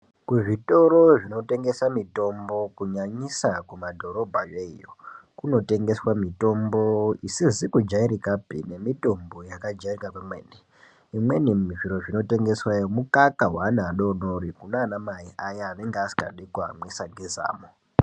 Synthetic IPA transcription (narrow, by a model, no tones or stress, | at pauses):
kuʐito̞ɾoʐino̞te̞ŋɡe̞samito̞mbo̞kuɲaɲisakumadʱo̞ɾo̞bʱajeijo̰kuno̞te̞ŋɡe̞swamito̞mbo̞isizikud͡ʒaiɾikapḭne̞mito̞mbo̞jakad͡ʒairikakwemweːne | imwe̞niiʐiɾo̞ʐino̞te̞ŋɡe̞swajomukakaɦwanaɗonoɾikunaːnamaiʔajaːʋeŋɡeasi̥ka̰ɗikua̰mwesaɡʱeza̰ːmo